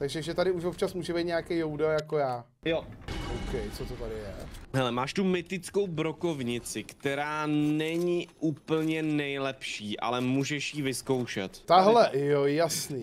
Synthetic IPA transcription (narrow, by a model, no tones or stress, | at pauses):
t̪aɡʒɛʒɛt̪adɪuʃvop̪̚t͡ʃasmuːʒɛbɛijt̪ɲeakɛjjowdajakojaː | joʔowkɛjt͡sot̪ot̪adɪjɛ̰ɦɛlɛmaːʃt̪umɪt̪ɪt͡skowbɾo̞ko̞vɲɪt͡sɪkt̪ɛɾaːnɛɲɪʔuːpl̩ɲɛnɛjlɛpʃiːʔa̰lɛmuːʒɛʃjivɪskowʃɛ̰t̪t̪aɦlɛjojasniː